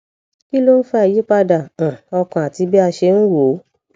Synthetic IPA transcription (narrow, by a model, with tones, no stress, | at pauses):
ki˦lo˦n̩˦fɛ˦ɛ˨ji˦k͡pa˧da˨ã˨ɔ˧kã˨a˨ti˨˧˦bi˦a˧ʃe˧n̩˦ɾo˨˦